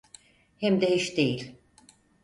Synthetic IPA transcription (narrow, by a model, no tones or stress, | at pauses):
hɛmd̪ɛhiʃd̪ejilʲ